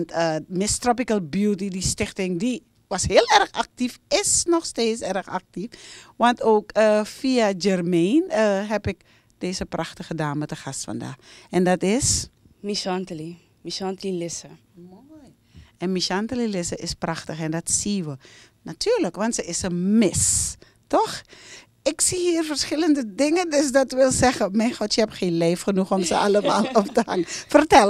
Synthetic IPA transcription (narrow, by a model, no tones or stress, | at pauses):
ʋntəmɪstropikəlˠbjuːtidistɪxtɪŋdi | ʋashiəlˠɛrxak̚tifɪsnɔxsteːtsɛrəxa̰k̚tifʋantoːkəfiad͡ʒɛrmenəɦɛpɪk | d̥eːsəprʔaxtəxədaːnmɛtdəxastfa̰nda̰ːxɛndɑtɪs | miʃɔntəli | misantəlilɪsə | moj | ɛnmisantəlilɪsəʔɪspraxtəxɛndɔtsiʋə | natʰyːrləkʋɑntsəɪsəmɪs | tɔx | ɪksihiːərfərsxɪləndədɪŋəndøs̬dɔtʋɪlˠsɛɣəmɛjnxɔtjəhɛpxeːnleːfxənuxɔmsəaləmaːlˠɔptəha̰ŋəfərtɛl